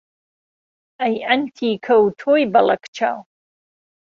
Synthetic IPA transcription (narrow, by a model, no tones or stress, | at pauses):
ajʔantʰiːkʰɐwtʰoibalakʰt͡ʃʰa̰w